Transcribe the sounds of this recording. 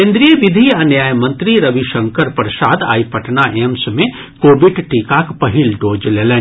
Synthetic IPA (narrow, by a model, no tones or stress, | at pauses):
kẽːnd̪ɾijəʋɪd̪ʱiɐnjaːjəmɐ̃nt̪ɾiɾɐʋiʃɐ̃ŋkəɾpɾɐʃaːd̪a̰ːipɐʈʰnaʔemsmẽ | koːbɪɖʈikaːkpɐɦilɖoːd͡ʒleːlẽː